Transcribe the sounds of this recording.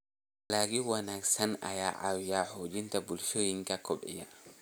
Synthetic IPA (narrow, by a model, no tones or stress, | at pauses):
laɡiwanaksana̰ja̰ːʔawjahod͡ʒintabulʃojiŋkakɔɓɛ̰ja